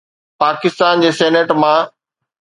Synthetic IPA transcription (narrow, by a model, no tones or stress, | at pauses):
paːkɪst̪aːnd͡ʑeːseːneʈmã